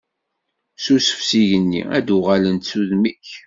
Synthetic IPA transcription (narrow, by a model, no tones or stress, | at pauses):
susə̥fsiʝənːḭæ̰d̪ʊʁalənt̪suðmiç